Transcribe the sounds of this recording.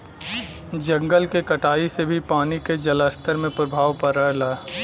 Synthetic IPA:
d͡ʒɐ̃ŋɡəlkekɐʈaːisebʱipaːniked͡ʒɐləst̪ʰəɾmẽpɾɐbʱaːʋpɐɾːɛɦlaː

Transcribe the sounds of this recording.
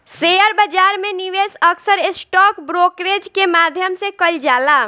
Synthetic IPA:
sejəɾbəd͡ʒaɾmeniʋesəksəɾesʈɔkbɾokɾed͡ʒkemad̪ʱjəmsekəld͡ʒala

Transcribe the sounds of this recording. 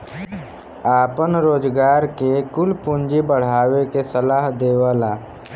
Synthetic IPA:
aːpənɾoːd͡ʒɡaːɾkekʊlpʊnd͡ʒibəɽ̤aːwekesəlaːɦd̪eːwaːlaː

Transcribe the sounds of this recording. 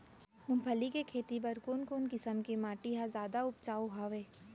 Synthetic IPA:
mʊ̃mpʰəlikekʰeːt̪ibɐɾkuːnkoːnkɪsəmkimaːʈiɦãzaːd̪aʊp̚t͡ʃaːoɦaːʋeː

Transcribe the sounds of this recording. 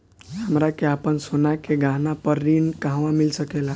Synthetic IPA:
ɦəmɾakeapənsonakeɡãɦnapəɾːinkaɦʋãmilsəkela

